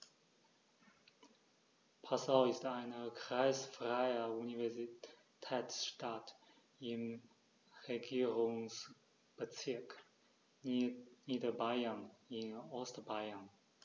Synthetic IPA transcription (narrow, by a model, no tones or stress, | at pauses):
pʰasaʊɪstaɪnəkʁ̥aɪsfʁ̥aɪəunivɛzi | tʰɛːt͡sʃtat | ɪm | ʁeɡiːʁʊŋs | b̥ət͡sɪɐk | niːdəbaɪənɪnɔstəbaɪən